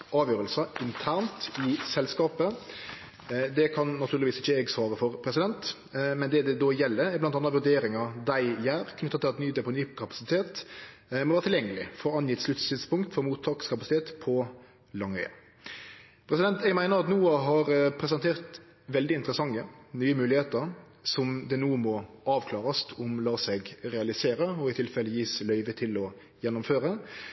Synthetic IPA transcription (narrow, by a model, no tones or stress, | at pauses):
ɑːʋjøːɾəlsəʔɪnt̪ʰæːʁnt̪ɪsɛlskɑːpə | d̪ɛkʰɑnnɑt̪ʰʉːɾlʋiːsɪçːəɛɡsʋɑːɾəfɔɾpʰɾɛsɪd̪ɛnt̪ | mɛnd̪ɛd̪ɛd̪ojɛlːəblɑnt̪ɑnɾɑʋʉɾd̪eːɾɪŋɑd̪æɪjæːɾkʰnʏt̪ːət̪ʰɪlɑt̪nyːd̪ɛpʰɔnyːkʰɑpɑ̥sɪt̪ʰeːt̪ | mɔʋæːʁt̪ʰɪljɛŋːəlɪ̰fɔɾɑnjɪt̪sʉt̪ːsɪt̪spʊŋkt̪fɔɾmuːt̪ʰɑːkskʰɑpɑsɪt̪ʰeːt̪pʰɔ | lɑŋːœ̰ʏɑ̰ | pʰɾɛsɪd̪ɛnt̪ɛɡmæɪnəɾɑt̪nuːɦɑɾpʰɾɛs̬ɛnt̪ʰeːʁt̪ | ʋɛld̪ɪɪnt̪əɾəsɑŋːənyːəmʉːlɪheːt̪əɾ | sɔmd̪ɛnuːmɔɑːʋkʰlɑːɾɑst̪ʰɔmlɑːsɛɡɾɛɑlɪseːɾəɔɪt̪ʰɪlfɛlːəjiːslœʏʋət̪ʰɪlɔ | jɛnːʊmføːɾə